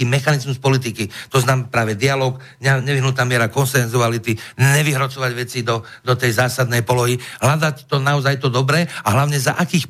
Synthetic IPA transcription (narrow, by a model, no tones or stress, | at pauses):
iːmɛxanizmuspɔlit̪̬ikit̪ɔznaːmpɾaːʋɛd̪ialɔːk | ɲɲɛʋiɦnut̪naːmɪɛɾakɔnsɛnzualit̪iɲɛʋiɦɾɔt͡sɔʋaɟʋɛt͡sid̪ɔ | d̪ɔt̪ɛjzaːsad̪nɛjpɔlɔɦiɦlad̪at̪ɔnaɔzajt̪ɔd̪ɔbɾɛːaɦlaʊɲɛza̰ʔakiːx